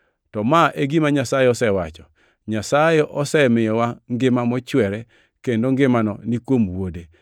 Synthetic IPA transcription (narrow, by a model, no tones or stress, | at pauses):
tɔmaʔeɡimaɲasajeɔsɛwat͡ʃɔ | ɲasajeʔɔsɛmɪjɔwaŋɡɪmamɔt͡ʃwɛɾɛ | kendoŋɡɪmanɔnikwomwode